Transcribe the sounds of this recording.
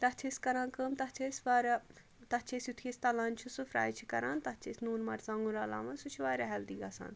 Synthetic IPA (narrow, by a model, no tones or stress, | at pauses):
t̪ɐɦt͡ʃʰesʲkɐɾãːnkəmt̪ɐt͡ʃʰesʲʋɐɾ | t̪ɐt͡ʃʰesjut̪ʰesʲt̪ɐlaːnt͡ʃʰusɨfɾa̰ːjt͡ʃʰi̥kɐɾaːnt̪ɐt͡ʃʰesnuːnmɐɾzaŋɡuɾaːla̰ːmɐnsut͡ʃʰiʋaːɾɐɦɛld̪iɡɐsa̰ːn